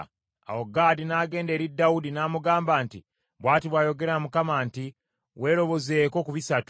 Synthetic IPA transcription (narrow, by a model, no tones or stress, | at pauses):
a̰wo̞ɡaːdinaːɡe̞ːnde̞ːɾidːawudinaːmuɡaːmbaːnti | βwaːtiβwaːjo̞ɡe̞ɾamukamanti | we̞ːɾo̞βo̞ze̞ːko̞kuβisatu